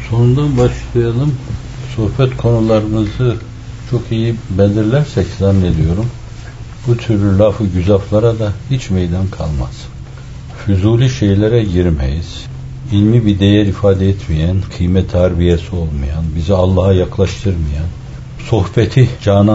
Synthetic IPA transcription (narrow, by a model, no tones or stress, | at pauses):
so̞nund̪anbaʃlˠajalˠɯm | so̞hbɛt̪kʰo̞nulˠaɾɯnɯzɯ | t͡ʃʰo̞kʰijibɛnʲd̪iɾlʲæɾsɛczanːed̪ijo̞ɾum | b̥ut̪ʰyɾlʲylʲafɯɟyzaflˠaɾad̪ahit͡ʃmejd̪ankʰalˠma̰z̥ | fyzuːlʲyʃejlʲeɾɛɟiɾmḛjiz̥ | ilʲmibid̪ejæɾifaːd̪ɛɛt̪ʰmijænkʰɯjmɛt̪ʰːæɾbijesio̞lˠmɯjanbizialˠːaɦajaklˠaʃt̪ʰɯɾmɯjan | so̞hbɛt̪ʰid͡ʒaːna